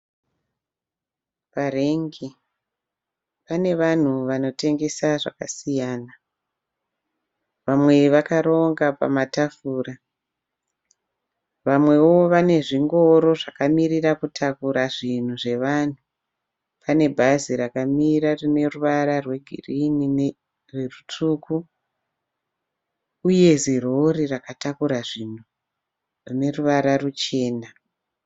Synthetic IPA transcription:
pareŋɡi | pane̞ʋan̤uʋano̞te̞ŋɡe̞saʐa̰kasijaːna | ʋamwe̞ʋakaɾo̞ŋɡapa̰matafuːra | ʋamwe̞wo̞ʋane̞ʐiŋɡo̞ɾo̞ʐakamirirakutʰakuɾaʐin̤uʐe̞ʋan̤u | pane̞bʱaziɾakamirarine̞ruʋaɾarwe̞ɡʱḭrinine | re̞rut͡ʂuku | je̞ziroɾirakatakuɾaʐin̤u | rine̞ruʋaɾarut͡ʃe̞ːna

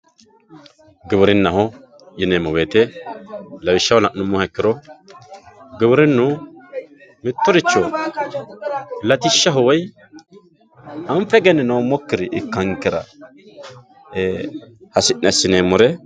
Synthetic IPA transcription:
ɡɪwʊɾɪnːɐɦɔ | jɪnemɔweːt̪ɛ | lɐwɪʃːɐwɔlɐʔnʊmːɔhɐkːɪɾɔ | ɡɪwʊɾɪnːʊ | mɪt̪ːɔɾɪt͡ʃːɔ | lɐt̪ɪʃːɐɦɔwɔj | ɐɱfɛɡɛnɛnowmɔkːɪɾɪʔɪkːɐŋkɪɾɐ̰ | hɐsɪʔnɛsːɪnemʊɾɛ

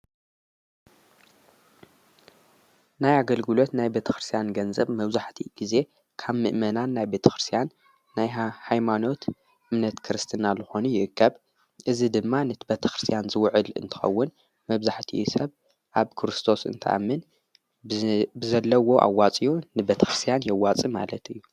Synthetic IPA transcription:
najaɡɐlɡɨlo̞t̪najbe̞t̪ʰɐ̥xɾɨst̪ijanɡɐnzɐβmɐβzaħt̪ʰiɡ̥ize̞ | kʰaβmɨ̰ʔmɐnanːajbe̞t̪ʰɐ̥xɾɨst̪ʰijanː | ajhajmano̞t̪ | ʔɨmnɐt̪kʰɨɾɨst̪ʰɨnalɨxo̞nujɪʔɨkʰːɐβ | ʔɨzid̪ɨmːanɐt̪ʰibet̪ʰɐ̥xɾɨ̥st̪ʰijanzɨwʕɨlɨ̰nt̪ʰɨ̥xɐ̰wːʊn | mɐβzaħt̪ʰḭsɐβ | ʔaβkʰɾɨst̪ʰo̞sɨ̰nt̪ʰɐ̰ʔa̰mːɨn | bɨzɐlːɐwo̞ʔa̰wːat͡sʼijunɨbet̪ʰɐxɾɨst̪ʰijanjɛwat͡sʼima̰lɐt̪ɨjːu

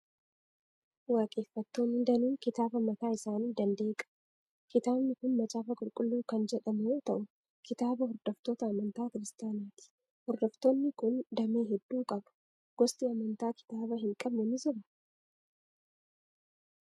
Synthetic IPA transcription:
waːkʼe̞ːfːɐt̪ːoːnːɪd̪ɐnuːŋkɪt̪aːbɐmɐt̪aːɪsaːniːd̪ɐnd̪eːkʼɐ̥ | kɪt̪aːbnɪkʊnmɐt͡ʃʼaːfɐkʼʊlkʼʊlːuːkɐnd͡ʒɛᶑɐmɛjoːt̪ɐʔʊ | kɪt̪aːbɐɦɔɾd̪̥ɔft̪o̞ːt̪ɐːmɐnt̪aːkɪɾɪst̪ɪjaːnaːt̪ɪ̥ | hɔɾd̪ɔft̪o̞ːnːɪkʊnd̪ɐmeːɦɛd̪ːuːkʼɐbɐ̥ | ɡ̥ɔst̪ʼiɐmɐnt̪aːkɪ̥t̪aːbɐɦɪŋkʼɐbnɛnɪzɔbɐ̥

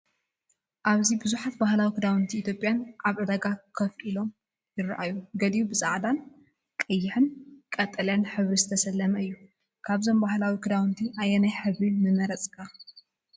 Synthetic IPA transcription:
ʔaβzibɨzuħat̪bahlawikʰɨd̪awɨnt̪ʰiːt̪ʰjo̞pʼːjanʔaβʕɨd̪ɐɡakʰɐfʔilo̞m | jɪrɐ̰ʔajuɡɐd̪iubɨzʼaʕd̪an | kʼɐjːɪħɨnkʼɐt̪ʼɐlɐnħɨβɾizɨt̪ʰɐsɐlːɐmɐɨjːu | kʰaβzo̞mbahlawikʰɨd̪awɨnt̪ʰiʔajenajħɨβɾinɨmɐɾɐt͡sʼkʰa

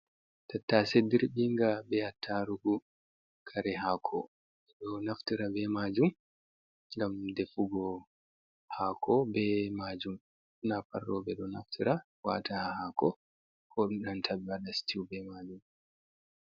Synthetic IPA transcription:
tatːasediɾɓiŋɡabɛhatʰːaɾuɡu | kʰaɾɛɦakʰɔ̰ | ɛɗɔnaftiɾabɛmaːd͡ʒum | ŋɡamdɛfuɡɔ | hakʰɔbɛmad͡ʒum | naparːɔbɛɗɔnaftʰiɾa | wa̰tahahakɔ | kʰɔɗumɗantʰabiwaɗasi̥tiwbɛmad͡ʒum

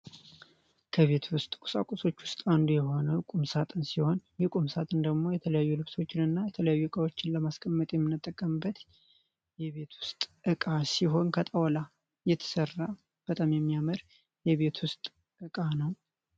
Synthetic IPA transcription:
kʰəβe̞t̪ʰwʊst̪ʼkʼu̥sa̰kʼuso̞t͡ʃːwʊst̪ʼand̪ujɛho̞nəwkʼumsat̪ʼɨnsiho̞njikʼumsat̪ʼɨnd̪əɡmo̞jɛt̪ʰələjajːulɨβso̞t͡ʃːɪnɨnːajɛt̪ʰələjajːuɨkʼawo̞t͡ʃːɪnləmaskʼəmːət̪ʼjɛmːɨnːɨt̪ʼːəkʼːəmɨbːət̪ | jɛβe̞t̪ʰwʊst̪ʼʔɨkʼasiɦo̞nkʰət̪ʼawla | jɛt̪ʰə̥sərːa | b̥ət̪ʼamjɛmːijaməɾ | jɛβe̞t̪ʰwʊst̪ʼ | ʔɨkʼanəw

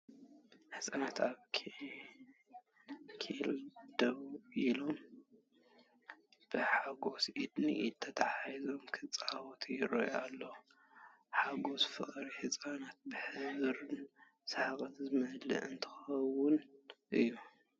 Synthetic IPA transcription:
ħɨsʼanat̪ʰaβkʰ | kʰild̪̥ɐβilom | b̥ɨħaɡo̞sʔid̪nḭʔt̪ʰɐt̪ʰaħajzo̞mkʰɨt͡sʼawot̪ʰijɪɾoja̰lːo | ħaɡo̞zfɨ̰χʼɾiħɨsʼanat̪̚bɨħɨβɾɨn | saħakʼɐt̪zɨmɐlɨ̰ʔɨnt̪ʰɨ̥xɐwʊnʔɨjːu

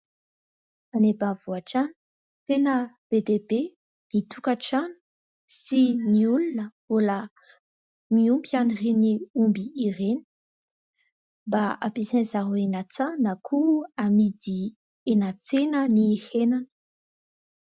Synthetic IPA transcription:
anebavuaʈ͡ʂani̥ | t̪enəb̥ed̪ebe | nit̪ʰukaʈ͡ʂani̥ | siniulunə | ola | miumbianireniumbiːreni̥ | baapisenzaɾoenat͡sanakʰuamid̪i | enat͡senənihenanə̥

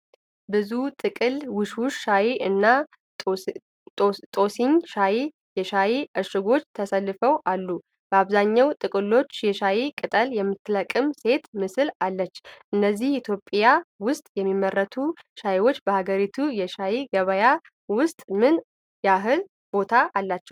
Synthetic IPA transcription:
bɨzut̪ʼɨkʼɨlwɨʃuʃʃajiʔɨnːa | t̪ʼo̞siɲʃaj | jɛʃajiʔəʃɪɡo̞t͡ʃːt̪ʰəsəlːɨfəwʔalːu | b̥əaβzaɲːawt̪ʼɨkʼɨlo̞t͡ʃːjɛʃajikʼɨt̪ʼəljɛmːɨt̪ʰːɨləkʼɨmse̞t̪mɨsɨlalːət͡ʃːʔɨnːəzːihit̪ʰjo̞pʼjawʊst̪ʼjɛmːimːərːət̪ʰuʃajwo̞t͡ʃːbəhaɡəɾit̪ʰujɛʃajiɡəβəja | wʊst̪ʼmɨn | jaɦɨl | b̥o̞t̪ʰaʔalːat͡ʃːɛw

